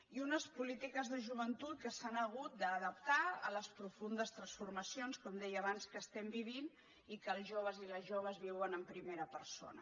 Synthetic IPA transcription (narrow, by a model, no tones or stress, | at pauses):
iunəspulit̪ikəzðəʒuβ̞ənt̪ut̪̚kəsanəɣ̞ut̪̚d̪əːðəp̚t̪aə̰ləspɾufund̪əst̪ɾənsfurməsionskɔmd̪ɛjəːβanskəːst̪ɛmbiβ̞in | ikəːlˠzʒoβəziləzʒoβ̞əzβiwənəmpɾimeɾəpəɾso̰nə̰